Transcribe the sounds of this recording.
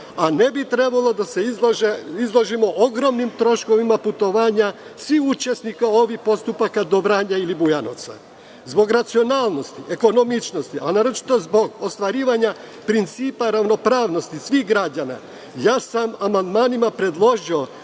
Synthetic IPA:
ane̞bit̪ɾe̞balˠo̞d̪ase̞izloʒeizlˠoʒimo̞ʔoɡɾo̞mnimt̪ɾo̞ʃko̞ʋimaput̪o̞ʋaːɲasʋiut͡ʃe̞snikao̞ʋixpo̞st̪upakad̪obɾaːɲailibujano̰t̪sa̰ | zbo̞ɡɾat̪sio̞naːlˠno̞st̪iʔe̞ko̞no̞mit͡ʃno̞st̪iʔanaɾot͡ʃi̥t̪o̞zbo̞ɡost̪ʋaɾiːʋaɲa | pɾint̪siːpaɾaʋno̞pɾaːʋno̞st̪isʋixɡɾad͡ʑana̰ | jaːsamamand̪maːnimapɾe̞d̪lˠo̞ʒio̞

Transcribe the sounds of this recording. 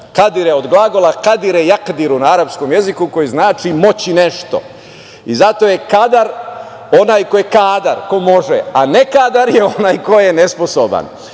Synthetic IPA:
kad̪iɾeod̪ɡlˠaɡo̞lakad̪iɾejakd̪iɾunaaɾapsko̞mje̞zikuko̞jiznaːt͡ʃimo̞t͡ɕineʃt̪o̞̰ | izat̪o̞jekad̪aɾ | onaːjko̞jekaːd̪aɾko̞mo̞ʒḛane̞kaːd̪aɾjeo̞najko̞jenesposoba̰n

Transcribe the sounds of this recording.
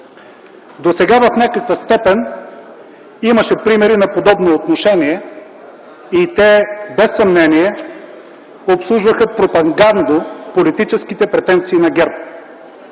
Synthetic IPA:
d̪osɛɡavɐfnʲakəkvəst̪ɛpɛn | imɐʃɛpɾimɛɾinɐpod̪ɔbnoːt̪noʃɛniɛ | it̪ɛbɛsːɐmnɛniɛ | opslˠuʒvəxəpɾopɐɡand̪opolit̪it͡ʃɛskit̪ɛpɾɛt̪ɛnt̪siːnɐɡʲɛɾp̚

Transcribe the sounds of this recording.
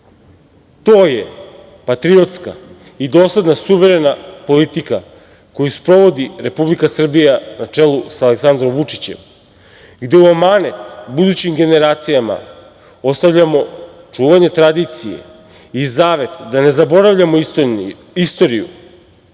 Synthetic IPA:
t̪o̞ːje | pat̪ɾio̞t̪ska̰ | id̪o̞ːslad̪nasuʋe̞ɾe̞napo̞lit̪ika | ko̞juspɾo̞ʋo̞d̪iɾe̞publikasr̩bijanat͡ʂe̞lˠusaleksand̪ɾomʋut͡ʂi̥t͡ɕe̞̰m | ɡd̪e̞uamanet̪bud̪ut͡ɕimɡe̞ne̞ɾaːt̪sijama̰ | o̞st̪avʎamo̞ | t͡ʂuːʋaɲe̞t̪ɾad̪it̪sije̞̰ | izaːʋe̞t̪d̪ane̞zabo̞ɾavʎamo | ist̪o̞ɾijṵ

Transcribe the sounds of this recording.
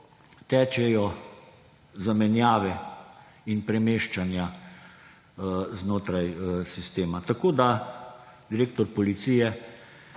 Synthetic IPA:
t̪ɛːt͡ʃɛjɔ | zamɛnjaːʋɛ | inpɾɛmeːʃt͡ʃanja | znoːt̪ɾajsist̪eːmat̪akoːd̪a | d̪iɾeːk̚t̪ɔɾpɔlit̪siːjɛ

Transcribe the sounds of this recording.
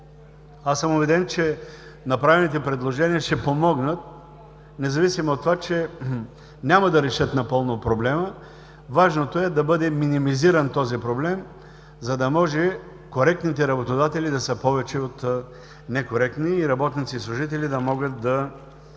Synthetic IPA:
asəmʊbɛd̪ɛnt͡ʃɛ | nɐpɾavɛnit̪ɛpɾɛd̪lˠoʒɛniəʃɛpomɔɡnət̪̚ | nɛzɐvisimoːt̪ːovat͡ʃɛ | nʲamɐd̪ɐɾɛʃɤt̪nɐpɤlˠnopɾoblɛmə | vaʒnot̪oɛd̪ɐbɤd̪ɛminimiziɾənt̪ɔzipɾoblɛm | zɐd̪ɐmɔʒɛ | koɾɛk̚t̪nit̪ɛɾɐbot̪od̪at̪ɛlid̪ɐsəpɔvɛt͡ʃɛot̪ | nɛkoɾɛkt̪niːɾɐbɔt̪nit̪siːslˠuʒit̪̬ɛlid̪ɐmɔɡət̪̚d̪ɐ

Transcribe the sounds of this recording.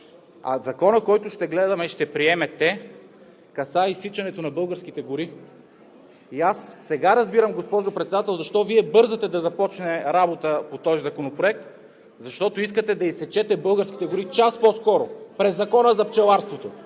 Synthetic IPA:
ɐ̰zɐkɔnəkɔjt̪ʊʃt̪ɛɡlɛd̪ɐmɛʃt̪ɛpɾiɛmɛt̪ɛ | kɐsaisit͡ʃɐnɛt̪onɐbɤlˠɡəɾsk̟it̪ɛɡʊɾi | iasːɛɡaɾɐzbiɾəmɡospɔʒopɾɛt̪sɛd̪at̪ɛlˠzɐʃt̪ɔviɛbɤɾzɐt̪ɛd̪ɐzɐpɔt͡ʃnɛɾabot̪əpot̪ɔzizɐkonopɾoɛk̚t̪ | zɐʃt̪ɔt̪oiskət̪ɛd̪ɐisɛt͡ʃɛt̪ɛbɤlˠɡəɾsk̟i̥t̪ɛɡʊɾit͡ʃaspɔskɔɾopɾɛzːɐkɔnəzɐpt͡ʃɛlˠaɾst̪vot̪o

